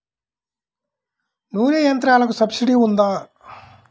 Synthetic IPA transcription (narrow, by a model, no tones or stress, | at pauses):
nuːɾijɐnt̪ɾaːlɐkusɐbsiɖiund̪aː